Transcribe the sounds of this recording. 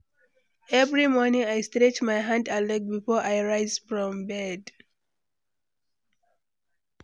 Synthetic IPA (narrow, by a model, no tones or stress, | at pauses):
ɛvɹimɔnĩŋajstɹɛt͡ʃmajɦãndalɛk̚bifɔʔajɹaɪzfɹɔ̃mbɛd